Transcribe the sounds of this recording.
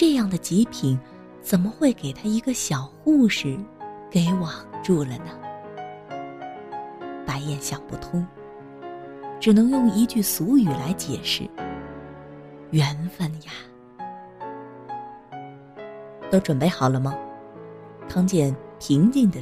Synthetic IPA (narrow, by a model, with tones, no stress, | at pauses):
ʈ͡ʂɤ˥˧jɑ˥˩ŋd̪ə˩t͡ɕi˧˥pʰi˨˩˦n | t͡sə˨˩nmə˦xwe˥˩ɪke˨˩ɪt̪ʰa˥i˧˥ɡə˧ɕjɑ˨˩ʊxu˥˧ʂɻ̩˥˧˥ke˧˥˩ɪwɑ˨˩ŋʈ͡ʂu˥˩lə˩nə˩ | pa˧˥ɪjɛ˥˩nɕjɑ˨˩ŋpu˥˩t̪ʰʊ˥ŋ | ʈ͡ʂɻ̩˨˩nɤ˧˥ŋjʊ˥˩ŋi˧˥t͡ɕy˥˩su˧˥y˨˩la˧˥ɪt͡ɕjɛ˨˩ʂɻ̩˥˩ | ɥɛ˧˥nfə˧˩nja˨˩ | t̪o˥ʊʈ͡ʂwə˨˩npe˥˩ɪxɑ˨˩ʊlə˦mə˨ | kʰɑ˥ŋt͡ɕjɛ˥˩npʰi˧˥ŋt͡ɕi˥˩ŋd̪ə˩